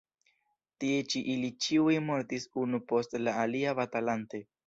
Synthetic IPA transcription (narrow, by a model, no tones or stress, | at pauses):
tie̞t͡ʃiʔilit͡ʃiujmo̞ɾtisunupo̞stlaːliavatalante̞